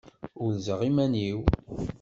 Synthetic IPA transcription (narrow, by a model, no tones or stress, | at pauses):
ʊɾzəʁimæniw